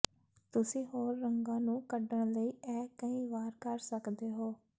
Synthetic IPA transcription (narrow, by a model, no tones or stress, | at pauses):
t̪ʊsĩːɦoːɾːəŋɡãːnũːkəɖəɳləiːɛːkəĩːʋaːɾkəɾsəkd̪eːɦoː